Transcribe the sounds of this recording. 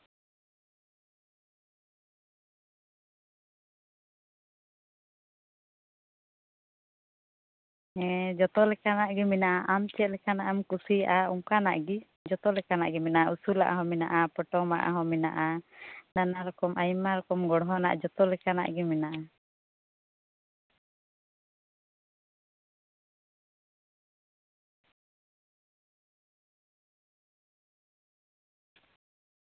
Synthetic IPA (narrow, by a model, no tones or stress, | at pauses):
ɛd͡ʒɔt̪ɔlɛkanaʔɡimɛnaʔaʔamt͡ʃɛt̪̚lɛkanaʔamkusiaʔauŋkana̰ʔɡi | d͡ʒɔt̪ɔlɛkana̰ʔɡɛmɛnaʔausula̰ʔaɦɔ̃mɛna̰ʔapɔʈɔma̰ʔa̰ɦɔmɛnaʔananaɾɔkɔmʔajmaɾɔkɔmɡɔɽɦɔna̰ʔd͡ʒɔt̪ɔlɛkana̰ʔɡɛmɛnaʔa